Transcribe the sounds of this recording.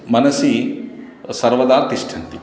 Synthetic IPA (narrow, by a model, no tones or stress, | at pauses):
mɐnɐsi | sɐɾʋɐd̪aːɾt̪iʃʈʰɐnt̪i